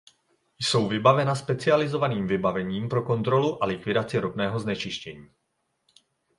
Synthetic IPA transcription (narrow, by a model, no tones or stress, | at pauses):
jso̞wvɪbavɛnaspɛt͡sɪalɪzo̞vaniːmvɪbavɛɲiːmpɾo̞ko̞nt̪ɾoluʔalɪkvɪdat͡sɪɾobnɛːɦo̞znɛt͡ʃɪʃcɛɲiː